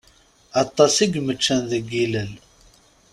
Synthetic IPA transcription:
ɑt̪ˤːɑsiɡmət͡ʃːænðəɡːiləl

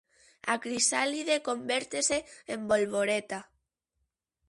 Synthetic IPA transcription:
a̰kɾisaliðekombeɾt̪eseːmbolβoɾet̪a

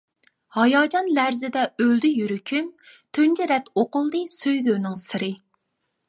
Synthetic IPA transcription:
hɑjɑːd͡ʒɑnlæɾzɪd̪ɛøld̪yjyɾykʲʰymt̪ʰønd͡ʒiɾɛt̪ʰoqʊlˠd̪ɨsøjd̪øːnɪŋsɨɾɨ

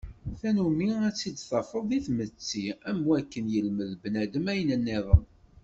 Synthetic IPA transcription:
θænumiæt͡sːid̪θɑfəðˤðiθmət͡sːiæmwækːənjəlməðbnæd̪əmæjənənːɪðˤəm

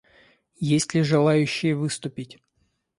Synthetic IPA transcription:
jesʲtʲlʲɪʐɨlˠajʉɕːɪjəvɨst̪ʊpʲɪtʲ

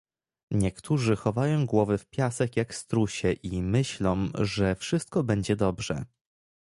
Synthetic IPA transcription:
ɲɛkt̪ʰuʐɘxɔvajɔ̃w̃ɡwɔvɘfpʲjasɛkjakst̪ɾuɕɛʔimɘɕlɔ̃w̃ʐɛfʂɘst̪̚kɔbɛɲd͡ʑɛd̪ɔbʐɛ̰

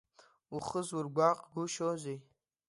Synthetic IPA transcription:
uχəzwurɡʷaqʼɡuʃozʷej

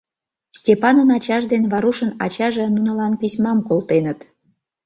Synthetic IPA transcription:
sʲtʲepɑnənɑt͡ɕɑʒd̪enβɑɾuʃənɑ̰t͡ɕɑʒĕnunə̆lɑnpisʲmɑmkolt̪enət̪

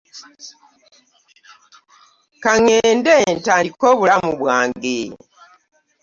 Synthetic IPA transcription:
kaŋeːndentaikoβulamuβwaːŋɡe

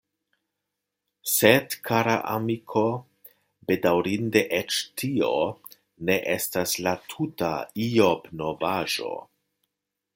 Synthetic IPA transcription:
sedkʰaɾa̰ʔa̰mikʰo̞ | be̞dawɾinde̞ʔet͡ʃtio | neʔestaslatʰuta̰iobnovaʒo̞̰

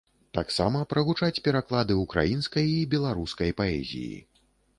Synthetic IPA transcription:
t̪aksamɐpɾɐɣut͡ʂat͡sʲpʲɛɾaklˠad̪ɨukɾʔa̰jinskɐjibʲɛlˠaɾuskɐjpaɛ̰zʲḭjḭ

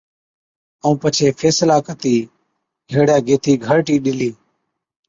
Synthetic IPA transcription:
əũːpət͡ʃʰeːfʰeːslaːkət̪iː | ɡʱeːɽjaːɡeːt̪ʰiːɡʱəɾʈiːɗɪliː

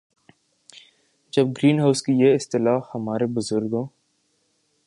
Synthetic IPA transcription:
d͡ʒɐb̚ɡɾiːnɦaːʊskijeɪst̪ɪlaːxhɐmaːɾebʊzʊɾɡɦõː

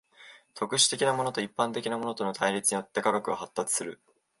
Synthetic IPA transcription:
t̪o̞kɯ̟ɕi̥t̪e̞kʲinamo̞no̞t̪o̞ipːãnt̪e̞kʲinamo̞no̞t̪o̞not̪ʰaiɾʲit͡sɨɲ̟ijo̞t̪ːe̞kaɡakɯ̟ɡahat̪ːat͡sɨ̥sɨɾɯ̟

